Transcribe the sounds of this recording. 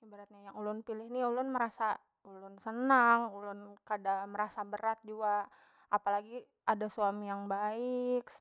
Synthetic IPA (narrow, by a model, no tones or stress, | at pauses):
ibaɾat̪̚ɲajaŋulʊnpilɪhniulʊnməɾasa | ulʊnsənaŋulʊnkadaməɾasabəɾat̪̚d͡ʒua | ʔapalaɡi | adasuamijaŋbaɪk